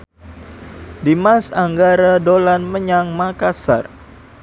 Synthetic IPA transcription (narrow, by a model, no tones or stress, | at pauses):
dimasaŋɡaɾadolanməɲaŋmakasa̰r